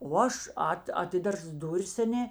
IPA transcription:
oː ˈɐʃ ˈɐt ɐˈtʲɪdɐrs ˈdʊrʲɪs ɐˈnʲeː

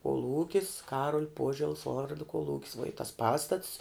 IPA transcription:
koːˈlˠuːkʲɪs ˈkɑːruɔlʲ ˈpuɔʒʲɛlˠs ˈʋoːrdoː koːˈlˠuːkʲɪs ʋuɔ ɪ tɐs ˈpɑːstɐts

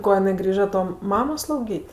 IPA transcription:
ˈkoː jɪˈnɐɪ ˈɡrʲiːʒɐ ˈtoː ˈmɑːmoː slˠɐʊˈɡʲiːtʲ

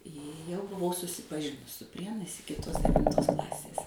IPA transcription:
jɛʊ bʊˈʋɐʊ sʊsʲɪpɐˈʒʲɪnʊs sʊ ˈpʲrʲiɛnɐɪs ˈɪkʲɪ ˈtuɔs dʲɛʋʲɪnˈtoːs ˈklˠɑːsʲeːs

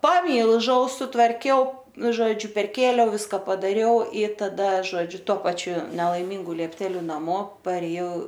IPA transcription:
pɐˈmʲiːlˠʒɐʊ sʊtʋɐrʲˈkʲɛʊ ˈnʊ ˈʒoːd͡ʒʲʊ pʲɛrʲˈkʲeːlʲɛʊ ˈʋʲɪskɐ pɐdɐˈrʲɛʊ iː tɐˈdɐ ˈʒoːd͡ʒʲʊ toː ˈpɑːt͡ʃʲʊ nʲɛlˠɐɪˈmʲɪŋɡʊ lʲiɛpʲˈtʲæːlʲʊ nɐˈmoː pɐrʲeːˈjɛʊ

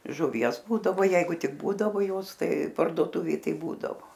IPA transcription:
ʒʊˈʋʲiɛs ˈbuːdɐʋoː ˈjɛɪɡʊ ˈtʲɪk ˈbuːdɐʋoː ˈjoːs ˈtɐɪ pɐrdoːˈtʊʋʲeːj ˈtɐɪp ˈbuːdɐʋoː

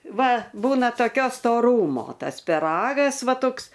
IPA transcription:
ˈʋɐ ˈbuːnɐ toːˈkʲoː stoːˈruːmoː ˈtɐs pʲɪˈrɑːɡɐs ˈʋɐ ˈtoːks

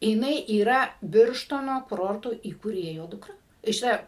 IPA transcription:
jɪˈnɐɪ iːˈrɐ ˈbʲɪrʃtoːnoː kʊˈroːrtoː iːkuːˈrʲeːjoː ˈdʊkrɐ tɐɪ ʃʲɪˈtɐ

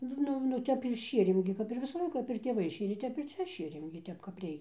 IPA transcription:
ˈnʊ nʊ ˈtʲɛp ɪr ˈʃʲiɛrʲeːm ɡʲɪ kɐp ɪr ˈʋʲɪsɐ ˈlˠɐɪkɐ kɐp ɪr tʲeːˈʋɐɪ ˈʃʲeːrʲeː ˈtʲɛp ɪr ˈt͡sʲɛ ˈʃʲeːrʲeːm ɡʲɪ ˈtʲɛp kɐp ˈrʲɛɪkʲɛ

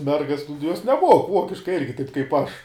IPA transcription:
ˈmʲɛrɡɐs nʊ juɔs nʲɛˈmuɔk ˈʋuɔkʲɪʃkɐɪ ˈɪrʲɡʲɪ tɐɪp kɐɪp ˈɐʃ

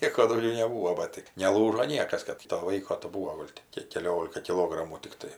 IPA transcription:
ˈnʲiɛkoː dɐʊˈɡʲɛʊ nʲɛˈbuːʋoː ˈbɐ tɜ nʲɛˈlˠuːʒoː ˈnʲiɛkɐs ˈkɐt toː ˈʋɐɪkoː tɐɪ ˈbuːoː ˈɡoːlʲ tʲɪ ˈkʲiɛk kʲɛˈlʲoːlʲɪkɐ kʲɪˈlˠoːɡrɐmuː tʲɪkˈtɐɪ

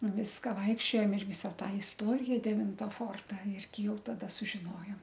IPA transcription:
nʊ ˈʋʲɪskɐ ˈʋɐɪkʃʲt͡ʃʲoːjoːm ɪr ˈʋʲɪsɐ ˈtɑː ɪsˈtoːrʲɪjɛ dʲɛˈʋʲɪntɐ ˈfoːrtɐ ˈɪrʲɡʲɪ ˈjɛʊ tɐˈdɐ sʊʒʲɪˈnoːjoːm

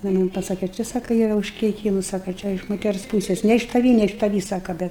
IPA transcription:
ˈnʊ jɪ ˈmɐnʲ pɐˈsɑːkʲɛ ˈt͡ʃʲɛ ˈsɑːkɐ ˈiːrɐ ʊʃʲkʲɛɪˈkʲiːmʊs ˈsɑːkɐ ˈt͡ʃʲɛ ɪʃ moːˈtʲɛrs ˈpuːsʲɛs nʲɛ ɪʃ tɐˈʋʲiː nʲɛ ɪʃ tɐˈʋʲiː ˈsɑːkɐ ˈbʲɛt

